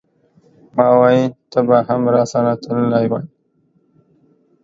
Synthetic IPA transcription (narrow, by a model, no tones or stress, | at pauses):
mɑwɑjit̪əbahamɾɑsanat̪ʰəllajwaj